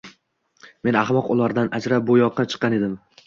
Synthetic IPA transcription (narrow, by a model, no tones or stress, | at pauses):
me̞naχmɒqʊlˠaɾd̪anʔad͡ʒɾap̚bojɒqʰːɑt͡ʃʰɨ̥qʰːɑned̪ɪm